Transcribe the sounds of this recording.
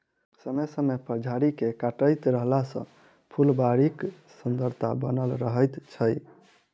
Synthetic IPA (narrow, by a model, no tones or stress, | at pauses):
səməsəmepəɾd͡ʒʱaɾikekaʈəjt̪ɾəɦlasə̰̃ | pʰulbaɾik | sənd̪ʱəɾt̪ʰa̰bənəlɾəɦəjt̪t͡ʃʰəj